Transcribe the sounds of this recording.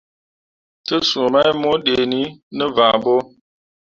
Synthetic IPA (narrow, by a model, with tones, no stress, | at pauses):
tə˦su˨ma˦jmo˦ɗe˨ni˦nə˦vã˨bo˦